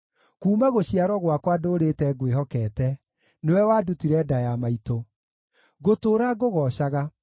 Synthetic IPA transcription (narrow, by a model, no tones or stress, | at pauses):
kuːmaɣoɕiaɾɔɣwakwadoːɾetɛɡweɦɔkɛtɛ | newɛwaːdutiɾɛdajamaito | ɡotoːɾaɡoɣɔɕaɣa